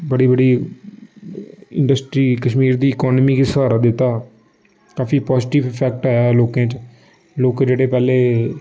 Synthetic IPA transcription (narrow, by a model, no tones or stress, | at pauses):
bəɽiːbəɽiː | ɪ̰̃ɳɖəsʈɾiːkəʃmiːɾd̪iːɪkɔːnmiːkiːsəaːɾat̪d̪ɪt̪ːaː | kaːfiːpɔːzʈiːʋɪpʰɛːk̚ʈaːjaːloːkãːt͡ʃ | loːkd͡ʒeːɽeːpɛːleː